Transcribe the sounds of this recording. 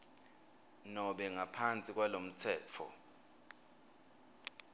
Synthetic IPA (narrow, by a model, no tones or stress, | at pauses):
nɔɓɛŋapʰant͡sʼik̬ʼwalom̩t͡sʰɛːt͡fʰɔ̰